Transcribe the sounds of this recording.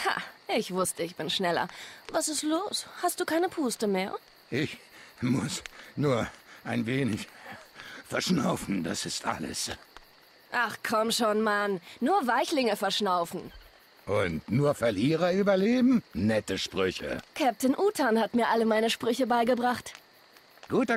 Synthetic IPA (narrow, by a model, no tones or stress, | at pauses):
ha̰ʔɪçv̥ʊstəɪçb̥ɪnʃnɛlɐ̰vasɪstloːshast̚d̥uːkʰaɪnəpʰuːstəmeːɐ | ʔɪçmʊ̰snuːɐʔaɪnveːnɪç | fɛɐʃna̰ʊfn̩da̰sɪstʔa̰lə̰s | ʔaχkʰɔmʃoːnmanːuːɐvaɪçlɪŋəfɛɐʃnaʊfn̩ | ʔʊntnuːɐfɛɐliːʁɐyːbɐleːbm̩nɛtəʃpʁ̥ʏçə̰kʰɛp̚tɪnʔuːtʰanhatmiːɐʔaləmaɪnəʃpʁ̥ʏçəbaɪɡəbʁaχt | ɡ̥uːtɐ